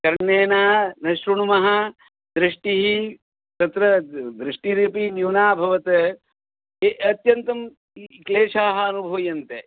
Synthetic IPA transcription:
kɐɾɳeːnaːnɐʃɾuɳumɐɦɐ | d̪ɾiʂʈiɦi | t̪ɐt̪ɾɐd̪ɾiʂʈiɾipinjuːnaːbʱɐʋɐt̪ɐ | eʔɐt̪jɐnt̪ɐm | kleːʂaːɦɐɐnubʱɐːjɐnt̪e

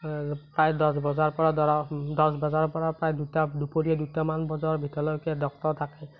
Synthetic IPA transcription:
pɹajdɔsbɔzaɹpɔɹadɔɔdɔsbɔzaɹɔpɔɹapɹajdutadupoɹiɛdutamanbɔzɔɹbʱitɔlɔjkɛdɔk̚tɔɹtʰakɛ

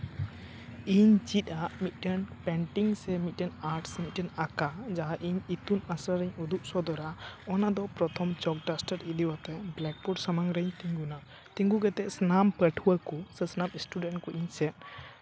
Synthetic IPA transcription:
iɲd͡ʒit̪̚ˀaʔmit̪̚ˀʈɛnpɛɳʈiŋsɛmiʈɛnaɾʈsɛmit̪̚ʈɛnakad͡ʒaɦaʔiɲit̪unasɾaɾɛɲud̪uʔsɔd̪ɔɾaɔnad̪ɔpɾɔt̪ʰɔmt͡ʃɔk̚ɖasʈəɾid̪iwat̪ɛblɛk̚puɾsamaŋɾəɲt̪iŋɡuna | t̪iŋɡuɡɛt̪ɛʔsnampəʈʰuwakɔsɛsnamisʈuɖɛ̃nʈkɔʔiɲsɛt̪̚

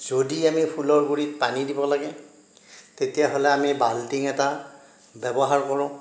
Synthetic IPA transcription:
z̥odiamipʰulɔɹɡuɹitpanidibɔlaɡɛ | tetijaɦolɛamibaltiŋɛta | bɛbɔɦaɹkɔɹʊ̃

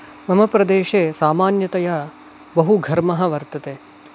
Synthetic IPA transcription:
mɐmɐpɾɐd̪eːʃeːsaːmaːnjɐt̪ɐjɐ | bɐɦuɡʱɐɾmɐɦɐ̆ʋɐɾt̪ɐt̪eː

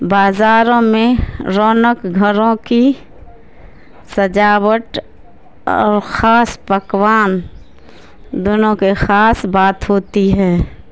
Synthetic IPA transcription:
baːzaːɾõmẽɾɔːnəkɡʱəɾõki | səd͡ʒaːwəʈ | ɔ̰ːɾxaːspəkwaːn | d̪ʊnõkexaːsbaːt̪ɦoːt̪iɦɛː

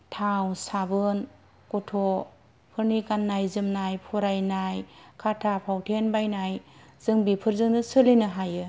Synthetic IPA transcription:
tʰawsabɯn | kutʰɔ | pʰɯɾnikanːajzɯmnajpʰɔɾajnajkʰatʰapʰawtʰenbajnajz̥ɯŋbipʰɯɾzɯŋnɯsɯlinɯɦajɯ

